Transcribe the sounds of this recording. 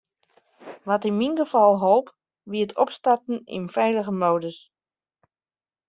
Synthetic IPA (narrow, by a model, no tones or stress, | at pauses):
ʋɔtɪnminɡəfɑlˠɦolˠp | ʋiətʰɔpstartn̩ḭnfɛjləɣəmowdəs